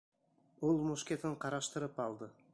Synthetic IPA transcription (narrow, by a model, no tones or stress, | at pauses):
olˠmuʃkʲet̪ɪɴqʰɑɾɑʃt̪əɾəpɑlˠd̪ə